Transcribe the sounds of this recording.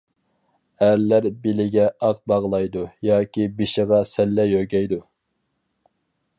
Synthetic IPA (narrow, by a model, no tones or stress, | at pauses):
æɾlæɾbilɪɡʲɛʔɑq̚bɑʁlˠɑjd̪ujɑːkʲibiʃɪʁɑsɛlːɛjøɡʲɛjd̪u